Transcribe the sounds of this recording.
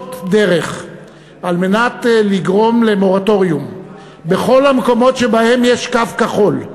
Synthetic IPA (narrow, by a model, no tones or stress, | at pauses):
tdeʁe̞χ | alme̞natliɡʁo̞mle̞mo̞ʁato̞ʁjum | beχo̞lhameko̞mo̞tʃe̞bahe̞mjeʃkafkaχo̞l